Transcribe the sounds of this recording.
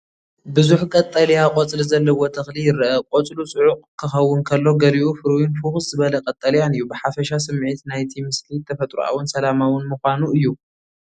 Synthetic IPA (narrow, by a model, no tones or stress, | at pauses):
bɨzuħkʼɐt̪ʼːɐljakʼot͡sʼlzɐlːɐwot̪ʰɐxlijɪɾɐʔɐkʼot͡sʼlut͡sʼɨʕuqʼkʰːɨxɐwːʊnkʰɐlːo̞ɡɐɾiʔufɨɾwinfuxzɨβɐlɐkʼɐt̪ʼːɐljanɨjːubɨħafɐʃas̬ɨmːʕit̪najt̪ʰimɨslit̪ʰɐfɐt̪ʼɾṵʔa̰wʊnsɐlamawʊnmuxʷanuɨjːu